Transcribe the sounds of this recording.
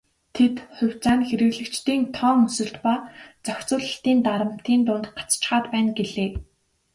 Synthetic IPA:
t̪ʰet̪χʊ̟wʲt͡saːnxeɾɘ̆ɣɮɘ̆kt͡ɕt̪iːnt̪ʰɔŋɵsɵ̆ɬt̪pat͡sɔkt͡sʊ̆ːɮə̆ɬt̪iːnt̪aɾə̆m̥t̪iːnt̪ʊnt̪ɢḁt͡st͡ɕχaːt̪pæːnɡeɮeː

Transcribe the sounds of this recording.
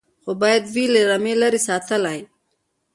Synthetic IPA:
xobaːjəd̪wileɾamelaɾisaːt̪əlai

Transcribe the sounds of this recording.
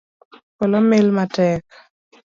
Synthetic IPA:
kolomelmatɛk

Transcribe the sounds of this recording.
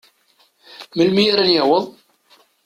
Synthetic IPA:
məlmijaɾænjəwəðˤ

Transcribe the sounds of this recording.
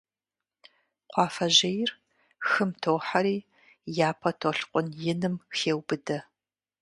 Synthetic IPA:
qʷʰɑːfɐʑejɪr | xɨmtʰowħaɾiː | jaːpʰɐtʰoɬqʷʼʊnjɪnɨmxeːwbɨdɐ

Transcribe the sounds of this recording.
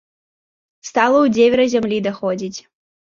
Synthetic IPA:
st̪alˠɐwd͡zʲevʲɛɾɐzʲamlʲid̪ɐxɔd͡zʲit͡sʲ

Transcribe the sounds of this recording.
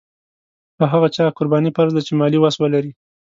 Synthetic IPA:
pəɦaɣat͡ʃɑkʊɾbɑnipaɾzd̪at͡ʃemɑliwaswəlaɾi

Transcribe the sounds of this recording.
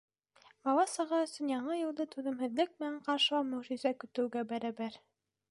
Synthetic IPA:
mɑlˠɑsɑʁɑɵ̆sɵnjɑɴɤjɤ̆lˠd̪ɤt̪ʉðɘ̆mhɘ̆ðlɘk̚mɘ̆næɴqɑɾʃɤɑmæwʒĭzækɵ̆t̪ɘ̆wɡæbæɾæbæɾ

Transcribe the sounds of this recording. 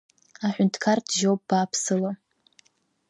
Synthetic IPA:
aħʷᶣʊntʰkʰardʒowp̚b̥aːpʰsɨla

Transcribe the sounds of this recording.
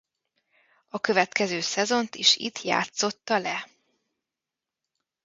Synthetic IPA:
ɒkøvɛt̪kɛzøːsɛzo̞nt̪ḭʃḭt̪ʰja̰ːt̪so̞t̪ːɒlɛ

